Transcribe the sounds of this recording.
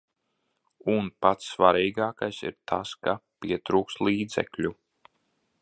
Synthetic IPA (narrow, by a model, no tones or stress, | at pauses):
unpat̪sːvaɾiːɡaːkajsḭɾt̪ʰaskapiɛt̪ɾuːkst̪lˠiːd̪zɛ̰klʲu